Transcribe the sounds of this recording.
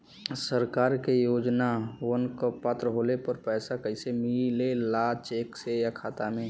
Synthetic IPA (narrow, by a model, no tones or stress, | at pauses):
səɾkaːɾkejoːd͡ʒnawənkəpːaːt̪ɾəɦoːlepəɾpɛːsakəisemilelat͡ʃeːksejakʰaːt̪amẽ